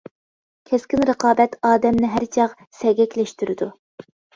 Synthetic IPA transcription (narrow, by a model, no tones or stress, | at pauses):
kʲʰɛskʲɪnɾəqɑːbɛt̪ɑːd̪ɛmnɪɦæɾt͡ʃʰɑq | sɛɡʲɛkʲlɛʃt̪yɾɪd̪u